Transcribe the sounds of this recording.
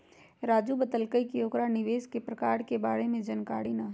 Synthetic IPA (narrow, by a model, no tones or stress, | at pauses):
ɾaːd͡ʒubət̪əlkəikioːkɾanɪʋeːskepɾɐkaːɾkebaːɽemẽd͡ʒɐnkaːɽinaː